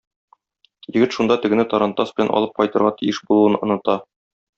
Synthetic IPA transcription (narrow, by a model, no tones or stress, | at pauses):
jɘ̆ɡɘt̪ʃund̪ɑt̪ɵ̆ɡɘ̆nɘt̪ɒɾɑnt̪ːɑsb̥ɘ̆lænʔɒ̰lˠɤp̚qɒjt̪ɤ̆ɾʁɑt̪ijɘʃbulˠuɤnŏnɤ̆t̪ɑ